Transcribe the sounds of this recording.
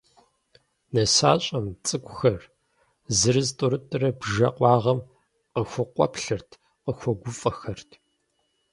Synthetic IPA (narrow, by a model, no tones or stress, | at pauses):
nɐsa̰ːɕʼɐmt͡sʼɨkʷʼʊxɐr | zɨɾɨztʼʊɾɨtʼɨrɐbʒɐqʷʼɑːʁɐm | qəxʷʊqʷɔ̰pɬɨrtʰ | qəxʷɔɡʷʊfʼɐxɐrtʰ